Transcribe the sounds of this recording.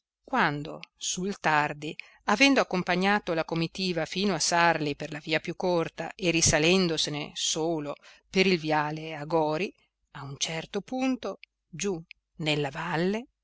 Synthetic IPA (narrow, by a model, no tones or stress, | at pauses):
kwand̪o̰sult̪ard̪i | avɛnd̪oakːompaɲːaːt̪olakomit̪iːvafiːnoasarliperlaviːapjukːort̪a̰ʔerisalɛnd̪osenḛsoːlopeɾilvjaːleaɡɔːɾi | aunt͡ʃɛrt̪opunt̪o | d͡ʒu | nelːavalːe